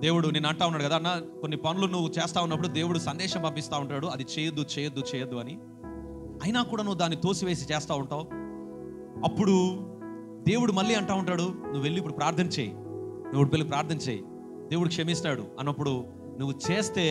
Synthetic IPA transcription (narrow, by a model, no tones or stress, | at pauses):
d̪e̞ːwuɽunenɐɳʈaːwunːaːɽukɐd̪aːnːakonːipɐnulunuʋːut͡ʃɛːst̪aːunːɐp̬ːuɽud̪e̞ːwuɽusɐnd̪ɛːʂɐmbɐpist̪aːuɳʈaːɽuɐd̪it͡ʃɛːjɐd̪ːut͡ʃɛːjɐd̪ːut͡ʃɛːjɐd̪ːuɐni | ɐjnaːkuːɽaːnuːud̪aːnːit̪o̞ːsiʋe̞ːsit͡ʃɛːst̪aːuɳʈaw | ɐpːuɽu | d̪e̞ːwuɽumɐlːiːɐɳʈaːʋuɳʈaːɽunuʋːe̞lːiːp̬ːuɽupɾaːɾt̪ʰɐnɐt͡ʃeːjḭ | neuɽupelːipɾaːɾt̪ʰɐnɐt͡ʃeːjḭ | d̪e̞ːʋuɽukʂɐmist̪aːɽṵɐnɐpːuɽu | nuʋːut͡ʃeːst̪e̞ː